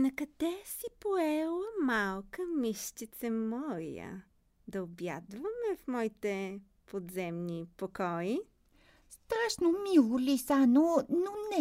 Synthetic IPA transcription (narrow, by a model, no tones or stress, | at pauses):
nɐkɐd̪̥ɛsipoɛlˠəmalˠkəmiʃt̪it̪sɛmɔɾḭjə̰ | d̪ɐobja̰d̪vɐmɛfmɔit̪ɛ | pod̪zɛmnipokɔi | st̪ɾaʃnomilˠolisanononɛ